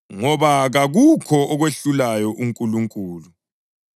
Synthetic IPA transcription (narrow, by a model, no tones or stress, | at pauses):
ŋɔβaɣaɣukʰɔʔɔɣweɬulajɔʔuŋkʼuluŋkʼuːlu